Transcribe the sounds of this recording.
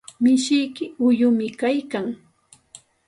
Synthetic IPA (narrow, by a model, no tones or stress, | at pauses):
mɪʃɪjkɪʊjʊmɪkajkaŋ